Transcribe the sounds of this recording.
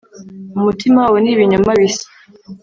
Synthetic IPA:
umutimawaweniβiɲumaβisḁ

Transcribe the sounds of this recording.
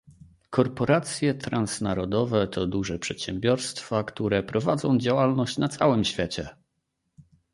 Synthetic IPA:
kɔɾpɔɾat̪sʲjɛt̪ɾansnaɾɔd̪ɔvɛt̪ʰɔd̪uʐɛpʂɛt̪ɕɛmbʲjɔɾst̪fakt̪uɾɛpɾɔvad̪zɔ̃w̃d͡ʑawalnɔɕt͡ɕnat̪sawɘmɕfʲjɛt͡ɕɛ

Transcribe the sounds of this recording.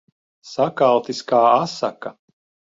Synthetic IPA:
sakalˠt̪iskaːasaka

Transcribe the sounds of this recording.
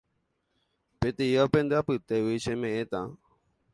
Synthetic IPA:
pet̪ijapẽnd̪eapɨt̪ewiʃẽmẽʔẽt̪a

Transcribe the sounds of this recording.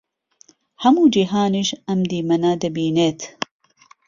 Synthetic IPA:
hɐmuːd͡ʒiɦaːniʃɐmd̪iːmɐnaːd̪ɐbiːneːt̪ʰ

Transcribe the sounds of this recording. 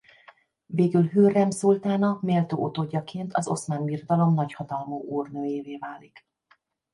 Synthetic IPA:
veːɡylɦøːrɛmsult̪aːnɒmeːlt̪o̰ːʔot̪oːɟːɒkeːnt̪ʰɒzo̞̰smaːnbirod̪ɒlo̞mnɒchɒt̪ɒlmuːʔuːrnøːjeːveːvaːlik

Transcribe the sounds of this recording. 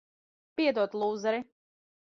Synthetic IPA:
piɛd̪uɔt̪lˠuːzɛɾi

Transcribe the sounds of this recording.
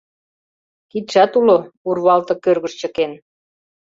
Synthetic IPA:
kit̪ʃɑt̪ulourβɑlt̪ɤ̆kørɣəʃt͡ɕə̆ken

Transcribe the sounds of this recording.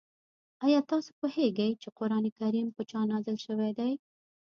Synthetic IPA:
ɑjɑt̪ɑso̥poheɡajt͡ʃeqʊɾɑnekaɾimpət͡ʃɑnɑzɪlʃəwed̪aj

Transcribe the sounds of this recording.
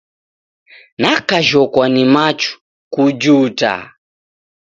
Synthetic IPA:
nakaʒɔkwanimat͡ʃu̥ | kud͡ʒuta̰

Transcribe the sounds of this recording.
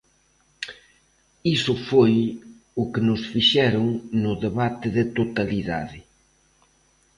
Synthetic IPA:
isʊfoj | ʊkɪnʊsfiʃɛɾoŋnʊðeβat̪ɪðɪt̪ot̪ɐliða̰ðɪ

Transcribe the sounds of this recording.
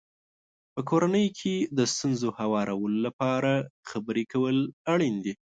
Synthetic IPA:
pəkʰoɾanəjkʰed̪əst̪unzohawɑɾawəlolapɑɾaxabəɾekawəlaɽind̪i

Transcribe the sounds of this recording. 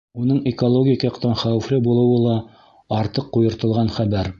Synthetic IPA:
unɤɴɪkolˠoɡʲijkɑjɑqt̪ɑnχæwɘ̆flɘbulˠɤ̆wɤlˠɑ | ɑɾt̪ɤqːujɤ̆ɾt̪ɤ̆lˠʁɑnχæbæɾ

